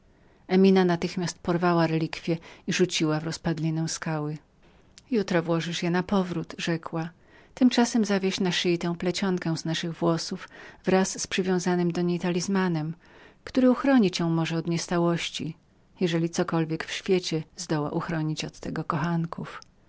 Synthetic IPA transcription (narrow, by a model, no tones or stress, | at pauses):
ɛmʲinanat̪ɘxmʲjast̪̚pɔɾvawaɾɛlʲikfʲjɛiʐut͡ɕiwavɾɔspad̪lʲinɛ̃w̃skawɘ | jut̪ɾɔvwɔʐɘʂjɛnapɔvɾut̪ʐɛkwa | t̪ɘmt͡ʂasɛmzavʲjeɕnaʂɘjit̪ɛ̃w̃plɛt͡ɕɔŋkɛw̃znaʂɘɣvwɔsufvɾasːpʂɨvʲjɔ̃w̃zanɘmd̪ɔɲejt̪alʲizmanɛm | kt̪uɾɘuxɾɔɲit͡ɕjɔ̃w̃mɔʐɛɔd̪ɲɛst̪awɔɕt͡ɕi | jɛʐɛlʲit̪sɔkɔlvʲjɛkfɕfʲjɛt͡ɕɛzd̪ɔwa̰ʔuxɾɔɲit͡ɕɔt̪ːɛɡɔkɔxaŋkuf